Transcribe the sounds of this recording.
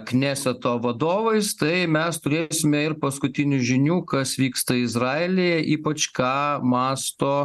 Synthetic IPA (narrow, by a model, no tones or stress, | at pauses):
knʲæːsʲɛt̪oːʋɐd̪oːʋɐɪst̪ɐɪmʲɛst̪ʊɾʲeːsʲɪmʲɛɪɾpɐskʊt̪ʲɪnʲʊʒʲɪnʲuːkɐsʋʲiːkst̪ɐɪzɾɑːelʲejɛʔiːpɐt͡ʃkɑːmɑːst̪oː